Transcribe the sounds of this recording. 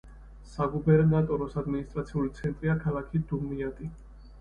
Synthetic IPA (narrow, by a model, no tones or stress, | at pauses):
saɡubɛɾnat̪ʼɔɾɔsad̪minist̪ʼɾat̪sʰiulit̪sʰɛnt̪ʼɾiakʰalˠakʰid̪umiat̪ʼi